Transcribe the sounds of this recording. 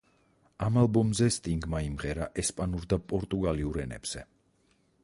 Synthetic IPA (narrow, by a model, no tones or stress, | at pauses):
amalˠbɔmzɛst̪ʼiŋɡmaimʁɛɾaʔɛspʼanuɾd̪apʼɔɾt̪ʼuɡaliuɾɛnɛ̰b̥z̥ɛ